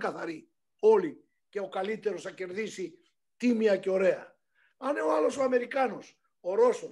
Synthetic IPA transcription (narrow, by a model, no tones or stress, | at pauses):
kaθaɾi | oli | keokalit̪eɾosakeɾðisi | t̪imjakeoɾea̰ | aneoalosoameɾikanos | oɾoso